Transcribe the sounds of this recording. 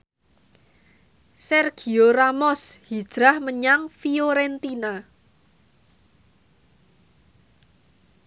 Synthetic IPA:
sɛrɡ̥i̤oɾamɔshid̥ʒ̥ɾahməɲaŋfioɾɛnt̪ina

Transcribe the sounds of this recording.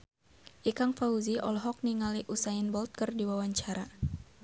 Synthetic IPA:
ʔikaŋfauziʔɔlɦɔk̚niŋaliʔusainbɔlt̪̚kərdiwawaɲt͡ʃaɾa

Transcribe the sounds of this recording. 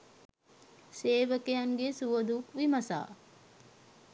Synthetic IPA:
seːʋəkejaŋɡesuʋəd̪ukʋimɐsa̰ː

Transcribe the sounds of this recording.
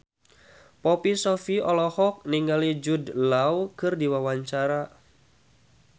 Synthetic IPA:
pɔpisɔfiɔlɔhɔk̚niŋɡalid͡ʒudlawkɨrdiwawaɲt͡ʃaɾa

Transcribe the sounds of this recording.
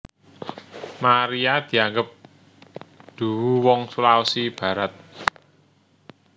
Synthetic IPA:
maɾiad̪̥i̤aŋɡəp̚ | d̪̥ṳwuwɔŋsulawsib̥ä̤ɾat̪̚

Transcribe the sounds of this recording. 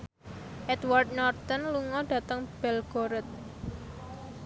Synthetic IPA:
ʔɛd̪ward̪̚nɔrt̪ənluŋɔɖ̥ä̤t̪əŋb̥ɛlɡ̥oɾət̪̚

